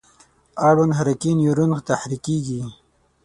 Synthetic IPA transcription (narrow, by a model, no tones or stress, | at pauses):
aɽonɦaɾakinjuɾunxt̪aħɾikiːɡi